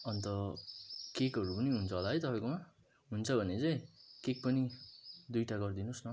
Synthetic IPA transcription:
ʌnt̪ʌ | kekɦʌɾupʌniɦunt͡sʰʌɦolaɦʌjt̪ʌpajkoma | ɦunt͡sʰʌbʱʌnet͡sʌjkek̚pʌnid̪ujʈaɡʌrd̪inosnʌ

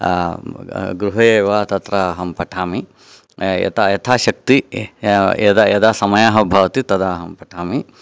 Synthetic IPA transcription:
ɡɾuɦɐjeːʋaːt̪ɐt̪ɾaɦɐmpɐʈʰaːmi | jɐ̰t̪ajɐt̪ʰaːʃɐk̚t̪i | ḛd̪ajɐd̪aːsɐmɐjaːɦɐbʱɐʋɐt̪it̪ɐd̪aːɦɐmpɐʈʰaːmi

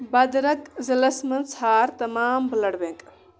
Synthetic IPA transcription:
bɐd̪ɾɐkzɐlɐsmɐnsʰaːɾt̪ɐmaːmbəlɐɽbeŋkʼ

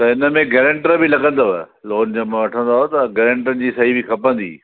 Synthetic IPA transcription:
t̪ɐɪnəmẽɡeːɾə̃ɳʈəɾbɪlɐɠə̃nd̪o | loːnd͡ʑɐbẽʋɐʈʰə̃nd̪aːɦot̪ɐɡeːɾə̃ɳʈənɪ̆d͡ʑiːsɐɦibʱɪkʰɐpə̃nd̪ḭː

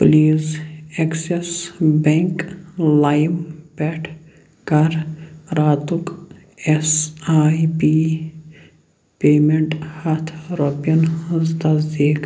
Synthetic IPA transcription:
pliːzeksesbeŋklajmbɛʈʰ | kɐɾɾaːt̪ʊk | esaːjpiː | peːmeɳʈhɐt̪ʰɾoːpiɐnɐzt̪ɐzd̪iːk

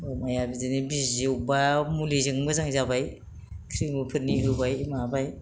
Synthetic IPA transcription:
omajabizenibizewbamulizɯŋbɯzaŋzabaj | kʰɾiŋbupʰɯɾniɦɯbajmabaj

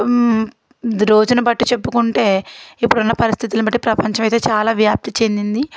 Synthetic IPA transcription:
ɾo̞ːd͡ʒunɐbɐʈːut͡ʃe̞pːukuɳʈe̞ːipːuɽunːɐpɐɾist̪ʰit̪ilɐbɐʈːipɾɐpɐɲt͡ʃɐmɐjt̪eːt͡ʃaːlaːʋjaːp̚t̪it͡ʃe̞nd̪ind̪i

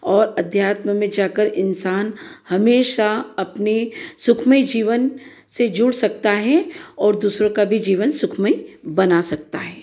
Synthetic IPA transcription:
ɔːɾɐd̪ʱjaːt̪məmẽd͡ʒaːkəɾʔɪnsaːnhɐmeːʃaɐpnesʊkʰməid͡ʒiːʋən | sed͡ʒʊɽsɐk̚t̪aɦɛɔːɾd̪uːsɾõkabʱid͡ʒiːʋənsʊkʰməibɐnasɐk̚t̪aɦɛː

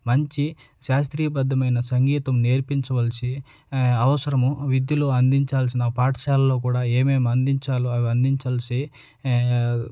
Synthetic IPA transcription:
mɐɲt͡ʃiʃaːst̪ɾiːɐbɐd̪ʱːɐmɐjnɐsɐŋɡiːt̪ɐmneːɾpiɲt͡ʃɐʋɐlsi | ɐʋɐsɐɾɐmuʋid̪juluɐnd̪iɲt͡ʃaːls̬inɐpaːʈɐʃaːlɐlːo̞ːk̬uːɽaːe̞ːmeːmɐnd̪iɲt͡ʃaːluɐʋiɐnd̪iɲt͡ʃaːlsi

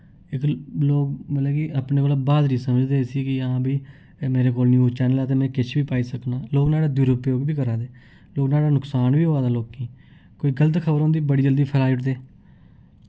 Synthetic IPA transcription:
ɪkloːk̚mət̪lɛkiːʔaːpnẽːkoːlabaːd̪ɾiːsəməd͡ʒd̪eːsiːkɪãːbiː | meːɾeːkoːlnĩːʊt͡ʃaːneːlaːt̪̬eːmɛ̃ːkɪt͡ʃʰʋiːpaːiːsəknaːloːknaːɽaːd̪juːɾoːpjoːɡbiːkəɾaːd̪eː | loːɡnaːɽaːnʊksaːnʋiːɦoːaːd̪aːloːkːiː | koːiːɡələt̪kʰəbəɾõːnd̪iːbəɽiːd͡ʒəld̪iːpʰəlaːɪʈd̪eː

